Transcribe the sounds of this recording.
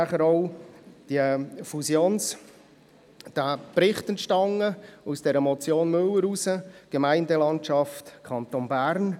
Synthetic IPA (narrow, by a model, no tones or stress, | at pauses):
aχəɾɔʊd̥iəfusjoːns | d̥aprɪχtənʃtɑŋːəusd̥ɛɾəmɔt͡sjoːnmɵləɾusəɡ̥əmæɪndəlɑntʃɑftkʰɑntonbæɾn